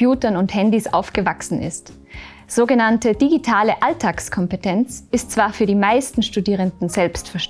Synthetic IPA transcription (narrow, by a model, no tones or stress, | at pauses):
juːtɐnʊnthɛndisʔa̰ʊfɡ̥əvaksn̩ʔɪ̰st | z̥oːɡənantəd̥iɡitʰaːləʔaltʰaːkskʰɔmpətʰɛnt͡sʔɪstt͡sv̥aːɐfyːɐdiːmaɪstn̩ʃtudiːʁ̞əndn̩zɛlpstfɛɐʃ